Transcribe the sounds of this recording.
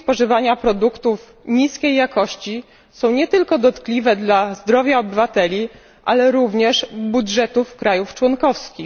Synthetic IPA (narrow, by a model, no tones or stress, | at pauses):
spɔʐɘvaɲapɾɔd̪ukt̪uf | ɲiskʲejːakɔɕt͡ɕi | sɔ̃w̃ɲɛt̪ɘlkɔd̪ɔt̪klʲivɛd̪lazd̪ɾɔvʲjaɔbɘvat̪ɛlʲi | ʔa̰lɛɾuvɲɛʂbudʐɛt̪ufkɾajuft͡ʂwɔnkɔfskʲix